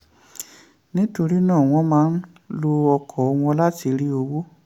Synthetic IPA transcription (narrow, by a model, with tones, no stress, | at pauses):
nĩ˦to˧ɾi˦nãː˦˨w̃ɔ̃˦mãː˦ | lo˧ɔ˧kʰɔ˨o˧w̃ɔ̃˧la˦ti˧ɾi˦o˧wo˦